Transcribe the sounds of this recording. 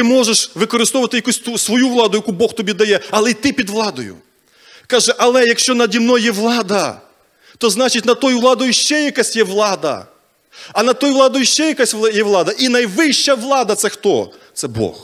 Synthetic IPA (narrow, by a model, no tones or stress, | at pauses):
t̪ɪmɔʒeʃʋɪkɔɾɪst̪ɔʋʊʋɐt̪ɪjɐkusʲt̪usʋɔjuʋlˠɑd̪ʊjɐkubɔxt̪ɔbʲid̪ɐjɛɐlˠɛit̪ɪpʲid̪ʋlˠɑd̪ɔjʊ̰ | kɑʒɛʔɐlˠɛjɐkʃt͡ʃɔnɐdʲimnɔjɛʋlˠɑd̪ɐ | t̪ɔznɑt͡ʃɪtʲnɐt̪ɔjʊʋlˠɑd̪ɔjʊʃt͡ʃɛjɐkasʲjɛʋlˠɑd̪ɐ̰ | ɐnɐt̪ɔjʊʋlˠɑd̪ɔjʊʃt͡ʃɛjɐkasʲˠjɛʋlˠɑd̪ɐʔinɐjʋɪʃt͡ʃɐʋlˠɑd̪ɐt̪sɛxt̪ɔt̪sɛbɔ̰x